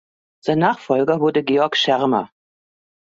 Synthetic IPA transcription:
z̥aɪnːaːχfɔlɡɐvʊɐdəɡeːɔɐkʃɛʁmɐ̰

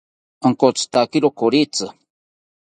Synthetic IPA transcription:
aŋkot͡sɨ̥t̪akiɾokoɾit͡sɨ

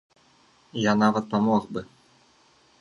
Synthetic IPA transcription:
janavɐt̪̚pamoχbɨ

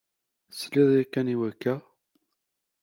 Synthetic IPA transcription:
sliðˤjækːæniwækːæ

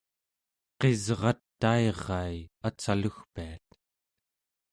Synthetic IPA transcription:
qe̞zʁɑt̪ːaeʁɑjat͡saluxpiat̪

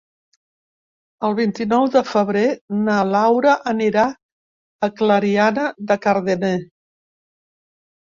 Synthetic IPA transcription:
əlˠβint̪inɔwðəfəβ̞ɾenalawɾəʔəniɾaː | kləɾianəðəkəɾðene

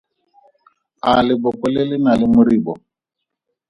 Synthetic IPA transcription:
alɪbɔkɔlɪlɪnalɪmʊɾibɔ

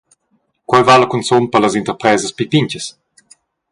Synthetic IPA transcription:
kwajvalɐkunsompələzint̪əɾpɾɛːzəspipiɲcəs

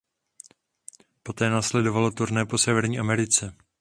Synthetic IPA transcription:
po̞t̪ɛːnaːslɛdo̞valo̞t̪uɾnɛːpo̞sɛvɛɾɲiːʔamɛɾɪt͡sɛ

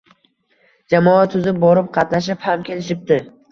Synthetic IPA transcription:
d͡ʒamɒat̪ʰːʊzɪp̚bɒɾɪp̚qʰɑt̪naʃ̬ɪphamkʲe̞lɪʃɪp̚t̪ɪ

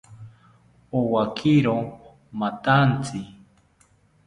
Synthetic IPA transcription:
owakʰiɾo | mat̪ant͡si

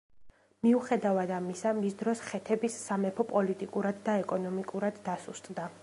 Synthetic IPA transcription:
miuχɛd̪avad̪amisamisd̪ɾɔsχɛt̪ʰɛbisːamɛpʰɔpʼɔlit̪ʼikʼuɾad̪ːaɛkʼɔnɔmikʼuɾad̪ːasust̪ʼd̪a

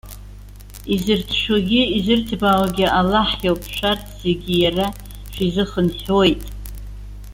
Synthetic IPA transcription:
izɨrtʰʃᶣoɡʲɪizɨrtʰbawaɡʲiʔalaħjawpʰʃʷᶣatʼz̥e̞ɡʲijara | ʃᶣʷizɨχənħojtʼ

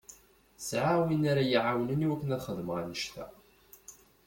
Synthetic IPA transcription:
sʕawinaɾajiʕawləniwækːənæðχəðməʁanəʃt̪æ̰

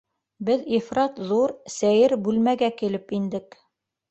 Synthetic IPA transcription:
bɘðifɾɑt̪ðuɾsæjɘɾbʉlmæɡækilɘpind̪ɘk

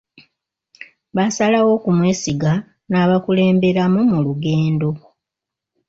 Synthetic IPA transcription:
βasalawo̞kumwe̞ːsiɡa | naːβakule̞ːmbe̞ɾamumuluɡeːndo̞

